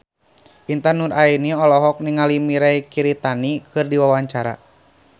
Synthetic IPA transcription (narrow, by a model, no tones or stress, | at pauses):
ʔint̪anurainiɔlɔɦɔk̚niŋalimiɾaikiɾit̪anikɨrdiwawaɲt͡ʃaɾa̰